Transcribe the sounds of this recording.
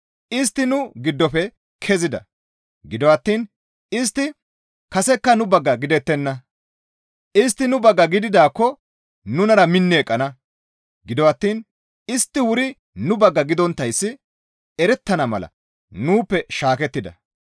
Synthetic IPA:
ʔɪs̬t̪ːɪnʊɡɪd̪ːɔpɛ | kʰɛzɪd̪ɐ̰ | ɡɪd̪ɔwɐt̪ːiːn | ɪs̬t̪ːɪ | kɐsɛkːɐnʊbɐɡːɐɡɪd̪ɛt̪ːɛnːɐ | ɪs̬t̪ːɪnʊbɐɡːɐɡɪd̪ɪd̪aːkːɔ | nʊnɐɾɐmɪnːɪɛkʼːɐnɐ | ɡɪd̪ɔwɐt̪ːiːn | ɪst̪ːɪwʊɾɪ | nʊbɐɡːɐɡɪd̪ɔnt̪ːɐjsːɪ | ɛɾɛt̪ːɐnɐmɐ̰lɐ̰ | nuːpːɛʃaːkɛt̪ːɪd̪ɐ̰

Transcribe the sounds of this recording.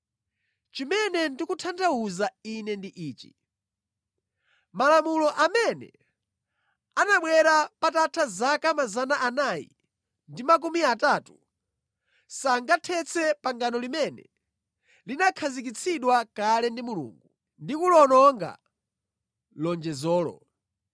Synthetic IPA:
t͡ʃimɛnɛndikutʰantʰauzainɛndiʔiːt͡ʃḭ | malamulɔʔamɛnɛ̰ | anaɓwɛɾapatatʰazakamazanaʔanajḭ | ndimak̬umiataːtu | saŋɡatʰɛt͡sʰɛpaŋɡanɔlimɛnɛ̰ | linakʰazik̬it͡sʰiɗwakalɛndimulṵːŋɡu | ndikulɔnɔŋɡa̰ | lɔnd͡ʒɛzɔːlɔ̰

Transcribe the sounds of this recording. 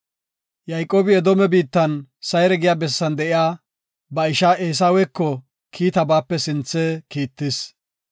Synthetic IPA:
jɐjkʼːoːbɪɛd̪ɔmɛbiːt̪ːɐnsɐjɾɛɡɪjaːbɛsːɐnd̪ɛʔɪjaː | bɐɪʃaːʔeːs̬aːwɛkːɔ | kʰiːt̪ɐbaːpːɛsɪnt͡sːɛkiːt̪ːɪs

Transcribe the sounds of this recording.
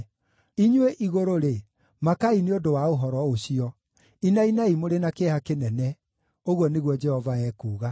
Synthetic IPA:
iɲweʔiɣoɾoɾe | makaineodowaoɦɔɾɔoɕiɔ | inainaimoɾenakehakenɛnɛ | oɣwɔneɣwɔd͡ʒɛhɔvaɛːkuːɣa

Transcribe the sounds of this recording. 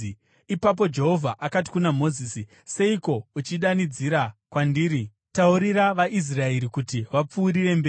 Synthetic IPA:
ipap̬o̞d͡ʒe̞ɦo̞vʱaʔakati̥kunamo̞zisi | se̞iko̞ut͡ʃiɗanid͡ziɾakwandiːɾi | tauɾiɾaʋaʔis̬rae̞ɾikutiʋap͡fuːɾire̞mbeːi

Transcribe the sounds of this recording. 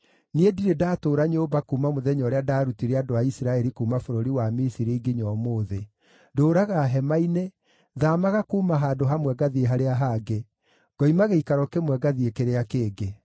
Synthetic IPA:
niediɾedaːtoːɾaɲeobakuːmamoðɛɲɔɾeadaːɾutiɾeadoaisiɾaɛɾikuːmafoɾoɾiwamisiɾiːɡiɲɔmoːðe | doːɾaɣaɦɛmaine | ðamaɣakuːmaɦaːdoɦamwɛɡaðieɦaɾeaɦaɡe | ɡ̥ɔimaɣeikaɾɔkemwɛɡaðiekeɾeakeːɡe

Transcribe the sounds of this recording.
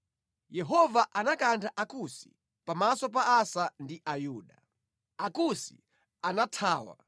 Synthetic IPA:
jɛɦɔvaʔanakantʰaʔakusi̥̰ | pamasɔp̬aasandiʔajuːɗa | akusi̥̰ | anatʰaːwa̰

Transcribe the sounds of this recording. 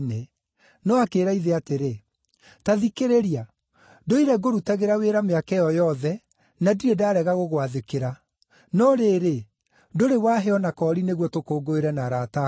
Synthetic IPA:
ne | nɔakeːɾaiðeateɾe | taðikeɾeɾia | doiɾɛɡoɾutɛɣeɾaweɾameakɛjɔjɔðɛ | nadiɾɛdaːɾɛɣaɣoɣwaðekeɾa | nɔɾeːɾe | doɾewaːɦɛɔnakɔːɾineɣwɔtokoːɡoeɾɛnaɾata

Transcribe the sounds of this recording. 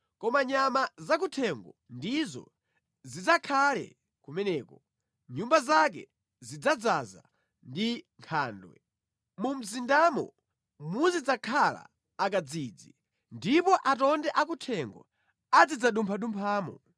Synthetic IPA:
kɔmaɲamazak̬utʰɛŋɡɔndizɔ̰ | zid͡zakʰalɛ̰ | kumɛnɛːkɔ | ɲumbazak̬ɛ̰ | zid͡zad͡zaza̰ | ndiŋkʰa̰ːndwɛ̰ | mum̩zindamɔ̰ | muzid͡zakʰala̰ː | k̬ad͡ziːd͡zi | ndipɔʔatɔndɛʔak̬utʰɛŋɡɔ̰ | ad͡zid͡zaɗumpʰaɗumpʰaːmɔ̰

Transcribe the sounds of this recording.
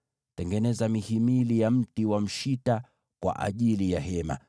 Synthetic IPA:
tɛŋɡɛnɛzamihimilijam̩tiwam̩ʃita | kwa̰ʔa̰ʄilijaɦɛma̰

